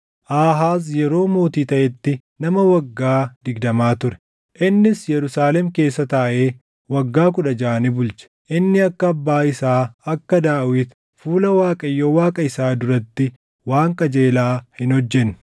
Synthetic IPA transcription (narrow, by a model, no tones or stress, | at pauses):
ʔaːɦaːs̬jɛɾo̞ːmo̞ːt̪iːt̪ɐʔɛt̪ːɪ | nɐmɐwɐɡːaːd̪ɪɡd̪ɐmaːt̪ʊɾɛ̥ | ʔɪnːɪsjɛɾʊsaːlɛmke̞ːsːɐt̪aːʔeː | wɐɡːaːk̬ʊᶑɐd͡ʒaːɐnɪbʊlt͡ʃɛ̥ʔɪnːɪɐkːɐːbːaːɪsaːɐkːɐd̪aːwɪt̪ | fuːlɐwaːkʼɐjːowaːkʼɐɪsaːd̪ʊɾɐt̪ːɪ | waːŋkʼɐd͡ʒeːlaːhɪnhɔd͡ʒːɛnːʊ̥